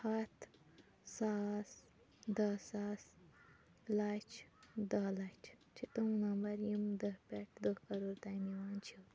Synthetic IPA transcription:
hɐt̪ʰ | saːs | d̪ɐsaːs | lat͡ʃd̪ɐlat͡ʃʰt͡ʃʰit̪umnɐmbɐɾjimd̪əpʲeʈ̚ʰd̪okɐɾuɾt̪ajmiwaːnt͡ʃʰi

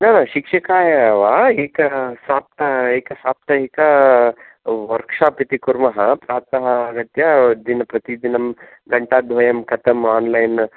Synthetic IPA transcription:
nɐnaʃikʂɐkaːjɐʋaːeːkɐsaːp̚t̪ɐeːkɐsaːp̚t̪ɐɦeːkɐ | ʋɐɾkʂaːpit̪ikuɾmɐɦɐpɾaːt̪ɐɦɐːɡɐt̪jɐd̪inɐpɾɐt̪id̪inɐm | ɡɐɳʈaːd̪ʱʋɐjɐmkɐt̪ɐmaːnlajn

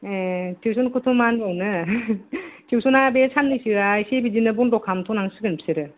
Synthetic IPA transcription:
etʰiwsʰunkʰutʰumanbɔŋnɯ | tʰiwsʰunabesʰanːɯsiɾajsebid͡ʒinɯbundɔkʰamtʰunaŋsɯɡɯnpʰi̥seɾɯ

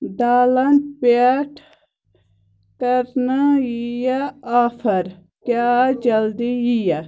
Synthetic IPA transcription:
d̪aːlɐntpeʈʰ | kɐɾnajijaaːfɐɾ | kjaːd͡ʒɐld̪ijija

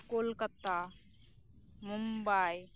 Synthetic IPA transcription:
kolkət̪ːa | mumbaj

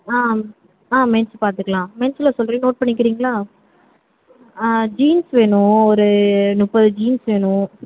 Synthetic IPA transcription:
aː | aːmɛnspaːɾt̪ɯkːɐɭãːmɛnslasɔlɾinoːʈ̚pɐɳːɪk̬ːɪɾiːŋɡɐlaː | d͡ʒiːnsʋeːɳʊ̃ɔɾɯnʊpːɐðɯd͡ʒiːnsʋeːɳʊ̃

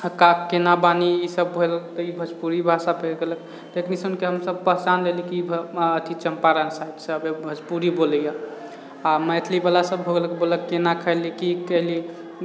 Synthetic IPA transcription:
əkakkːenabaniisəbːʱolt̪ɔibʱəspuɾibʱasapʰelɡelək | t̪ekʰnisənkeɦəmsəb̚pəɦt͡ʃandelikiət̪ʰit͡ʃəmpaɾansajd̪səbebʱəspuɾibolja | amɛjt̪ʰlibalasəbɦoɡeləkeboləkːenakʰəɪlikikəɦli

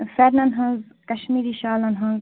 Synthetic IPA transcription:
fɛɾnɐnɦɐ̃nz | kɐʃmiːɾiːʃaːlɐnɦɐ̃nz

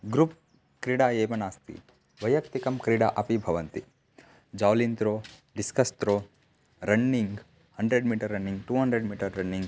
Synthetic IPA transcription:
ɡɾup̚ | kɾiɽaːeːʋɐnaːst̪ḭ | ʋɐjɐkt̪ikɐmkɾiɽa̰ʔɐpibʱɐʋɐnt̪i | d͡ʒaːʋlint̪ɾoːɖiskɐst̪ɾoː | ɾɐnːiŋɡ | hɐɳɖɾeɖmiːʈɐɾːɐnːiŋɡʈuːɦɐɳɖɾeɖmiːʈɐɾːɐnːiŋɡ

